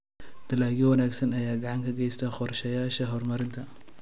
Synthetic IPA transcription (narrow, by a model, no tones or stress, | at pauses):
d̪̥ɐlaːɡiwɐnaːɡsɐnɐjaːɡɑʕɑŋkʰɐɡɛjst̪ʰaqɔrʃɐjaːʃɐɦɔrmɐɾɪnt̪ʰɐ